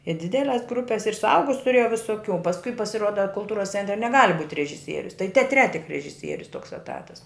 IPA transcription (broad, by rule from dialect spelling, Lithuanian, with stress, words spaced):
ɪ ˈdʲɪdʲɛlʲɛs ˈɡrʊpʲɛs ɪr sʊˈɐʊɡʊs tʊˈrʲeːjɛʊ ʋʲɪsoːˈkʲuː pɐsˈkʊɪ pɐsʲɪˈruɔdɐ kʊlˠˈtuːrɐs ˈt͡sʲɛnʲtʲrʲɛ nʲɛˈɡɑːlʲɪ buːtʲ rʲɛʒʲɪˈsʲiɛrʲʊs tɐɪ tʲɛɐˈtʲrʲɛ tʲɪk rʲɛʒʲɪˈsʲiɛrʲʊs toːks ɛˈtɑːtɐs